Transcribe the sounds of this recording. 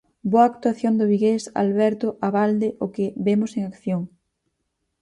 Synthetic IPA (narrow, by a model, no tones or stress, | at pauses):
boaːk̚t̪waθjond̪ʊβiɣesa̰lβɛɾt̪ʊʔaβald̪eʔokɪβemoseŋakθjoŋ